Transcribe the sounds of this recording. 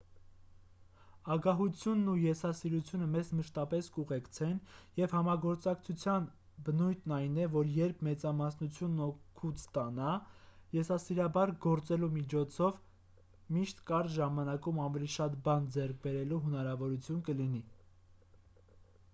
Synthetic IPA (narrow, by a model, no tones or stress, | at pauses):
ɑɡɑɦut͡sʰjunːujɛsɑsiɾut͡sʰjunəmɛzməʃt̪ɑpɛskuʁɛkt͡sʰɛnjɛvhɑmɑɡɔɾt͡sɑk̚t͡sʰut͡sʰjɑn | bənujt̪ʰnɑjnɛvɔɾjɛɾpʰmɛt͡sɑmɑsnut͡sʰjunːɔkʰut͡sʰt̪ɑnɑjɛsɑsiɾɑbɑɾɡɔɾt͡sɛlumit͡ʃʰɔt͡sʰɔv | miʃt̪kɑɾʒɑmɑnɑkumɑnvɛliʃɑt̪bɑnd͡zɛɾk̚ʰbɛɾɛluɦənɑɾɑvɔɾut͡sʰjunkəlini